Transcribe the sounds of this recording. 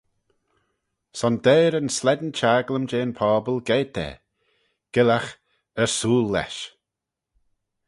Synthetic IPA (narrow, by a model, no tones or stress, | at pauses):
sɔnd̪eːɾənslɛd̪nt͡ʃʰaːɡləmd͡ʒeːnpʰɔːbəlˠɡeːd̪ɛ̰ | ɡ̥ɪlax | əsuːlːɛ̰ʃ